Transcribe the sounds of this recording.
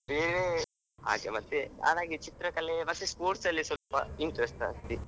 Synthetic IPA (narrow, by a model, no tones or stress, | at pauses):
meːne | a̰ːɡḛmɐt̪ːea̰ːd̪aːɡit͡ʃit̪ɾɐkɐleʋɐsispoːɾʈsɐlːisɐpɐ̰iɳʈɾesʈɐ̰st̪i